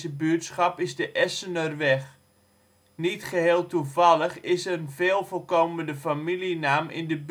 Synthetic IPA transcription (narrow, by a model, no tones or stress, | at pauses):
zəbytsχɑpɪzdəʔɛsənərʋɛx | nitχəɦeːlˠtuvɑlˠəχɪsənveːlˠfolˠkowməndəfamilinaːmɪ̰ndəb